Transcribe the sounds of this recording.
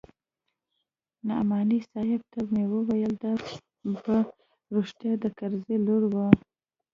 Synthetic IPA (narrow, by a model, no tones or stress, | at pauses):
nɑ̰mɑnisɑjɪb̚t̪amewəwajəld̪ɑ | ba | ɾuʂt̪jɑd̪əkaɾzeloɽwə